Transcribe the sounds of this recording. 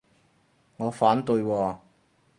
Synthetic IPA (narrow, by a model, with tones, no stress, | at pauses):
ŋɔː˨˧faː˨˥nt̪ɵ˧jwɔː˧